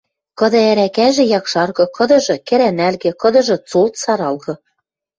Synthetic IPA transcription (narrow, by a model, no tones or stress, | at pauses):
kɤ̆d̪ɤ̆æɾækæʒĕjɑkʃɑrɣɤ̆kɤ̆d̪ɤ̆ʒɤ̆kĕɾænælɣĕkɤ̆d̪ɤ̆ʒɤ̆t͡solt̪sɑɾɑlɣɤ̆